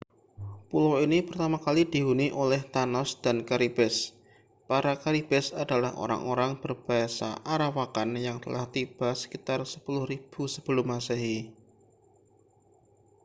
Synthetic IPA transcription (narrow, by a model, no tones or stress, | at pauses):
pulawinipərt̪amakalid̥i̤ɦuniʔolɛht̪anɔsd̥ankaɾib̥ɛs | paɾakaɾib̥ɛsadalahʔo̰ɾa̰ŋʔo̰ɾaŋb̥ərb̥aasa̰ʔaɾawakanjaŋt̪əlʔaht̪ib̥asə̥kit̪arsəpulʊhrib̥usəb̥əlʊmːaseɦi